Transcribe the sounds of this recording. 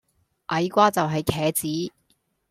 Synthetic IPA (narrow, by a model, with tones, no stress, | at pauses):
ʔɐ˨˥jkʷaː˥t͡sɐ˨wɦɐ˨jkʰɛː˨˧t͡siː˨˥